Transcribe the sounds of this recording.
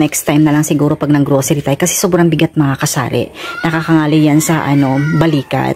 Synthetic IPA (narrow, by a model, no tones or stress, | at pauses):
nɛkst̪ajmnɐlɐŋsɪɡuːɾo̞pɐɡ̚nɐŋɡɾo̞ːsɛɾɪt̪aːjkɐsɛ̥soːbɾɐŋbɪɡat̪̚mɐŋakɐsa̰ːɾɛ̰nɐkakɐŋaːlɪjansɐʔɐno̞bɐliːkɐ̰t̪̚